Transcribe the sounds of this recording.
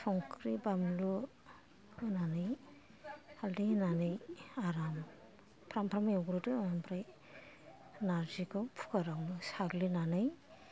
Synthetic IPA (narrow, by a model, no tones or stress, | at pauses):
pʰɔŋkʰɾibamlu | nanɯj | haldinanɯjaɾam | pʰɾampʰɾamajawɡɾɔtɯampʰɾaj | naɾd͡ʒikɔpʰu̥kaɾaŋnusaɡlinanɯj